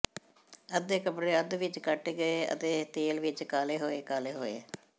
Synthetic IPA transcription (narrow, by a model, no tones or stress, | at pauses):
əd̪eːkəpɽeːəd̪ʋɪt͡ʃkəʈɡəeːə̰t̪eːt̪eːlʋɪt͡ʃkaːleːɦoːeːkaːleːɦoːḛː